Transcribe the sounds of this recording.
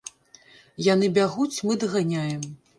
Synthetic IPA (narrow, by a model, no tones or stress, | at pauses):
jan̪ɨbʲaɣut͡sʲmɨd̪ɐɣanʲajɛm